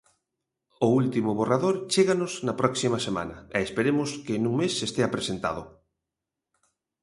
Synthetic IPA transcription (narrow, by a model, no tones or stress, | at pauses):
ʊult̪imʊβoraðoɾt͡ʃeɣanosnɐpɾɔksimɐsema̰nɐ̰eespeɾemʊskenuŋmesːest̪eapɾesent̪a̰ðʊ̰